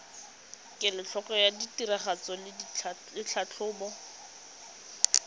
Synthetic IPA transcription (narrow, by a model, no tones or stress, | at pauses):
kʼɪlɪt͡ɬʰɔkɔjaditiɾaχat͡sɔlɪ | ɪt͡ɬʰat͡ɬʰʊːbɔ